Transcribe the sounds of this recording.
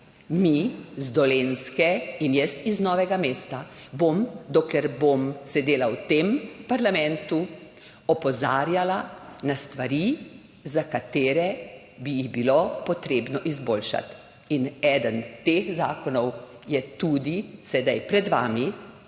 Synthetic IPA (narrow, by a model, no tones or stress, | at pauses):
mizd̪ɔlenskɛinjɛst̪iznɔːʋɛɡameːst̪abomd̪oklɛɾbomsɛd̪eːlawt̪empaɾlamɛ̃nt̪u | ɔpɔzaːɾjalanast̪ʋaɾi | zakat̪eːɾɛ | bijiɣbilopɔt̪ɾeːbnɔʔizboːlʃa̰t̪ | inɛd̪ənt̪eːxzaːkɔnɔw | jɛt̪uːd̪isɛd̪ajpɾɛd̪ʋa̰ːmi